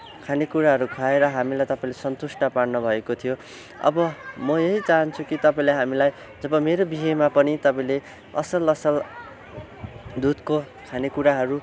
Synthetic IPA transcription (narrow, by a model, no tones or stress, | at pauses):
kʰanekuɾaɦʌɾukʰaeɾʌɦamilajt̪ʌpaĩlesʌnt̪usʈʌparnʌbʱʌekot̪ʰijo | ʌ̰bʌmʌjeɦit͡saɦʌnt͡sʰukit̪ʌpaĩlaɦamilaj | d͡zʌbʌmeɾobiɦʌjmapʌnit̪ʌpaĩle | ʌ̰sʌlʌsʌl | d̪ud̪ko | kʰanekuɾaɦʌɾu